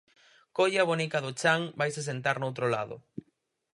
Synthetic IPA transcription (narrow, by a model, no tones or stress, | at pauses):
koʎaβonikaðʊt͡ʃaŋbajses̬ent̪aɾnowt̪ɾola̰ðʊ̰